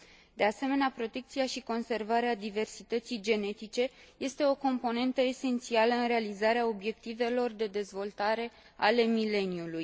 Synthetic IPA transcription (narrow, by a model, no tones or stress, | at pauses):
d̪e̞ase̞me̞neapɾo̞t̪e̞k̚t̪siaʃiko̞nse̞rvaɾead̪ive̞rsit̪ət̪sijd͡ʒe̞ne̞t̪it͡ʃe̞je̞st̪e̞o̞ko̞mpo̞ne̞nt̪əe̞se̞nt̪sialəɨnrealizaɾeao̞bje̞k̚t̪ive̞lo̞rd̪e̞d̪e̞zvo̞lt̪aɾe̞ | ale̞mile̞niuluj